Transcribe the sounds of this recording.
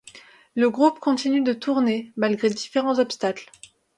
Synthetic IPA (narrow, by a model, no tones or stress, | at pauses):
ləɡʁupkɔ̃t̪inyd̪ət̪uʁnemalɡʁed̪ifeʁɑ̃zɔpst̪akl